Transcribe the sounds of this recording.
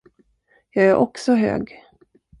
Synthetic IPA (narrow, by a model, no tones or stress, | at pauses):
jɑːɡæɾʔɔksɔɦø̰ːɡ